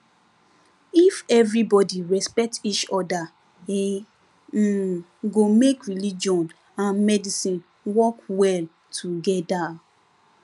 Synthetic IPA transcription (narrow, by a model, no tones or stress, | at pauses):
ifɛvɹibɔdiɹɛspɛk̚tit͡ʃɔda | e | ɡomekɹilid͡ʒɔ̃n | ãnmɛdisĩn | wɔkwɛl | tʰuɡɛda